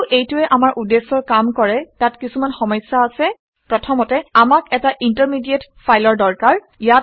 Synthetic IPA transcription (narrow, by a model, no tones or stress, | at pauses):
ʔejtʊɛʔamaɹʔudesɔɹkamkɔɹɛtatkisumanxɔmɔjsːaːsɛ | pɹɔtʰɔmɔtɛamakɛtaʔintəɹmidietfʰajlɔɹdɔɹkaɹ | ija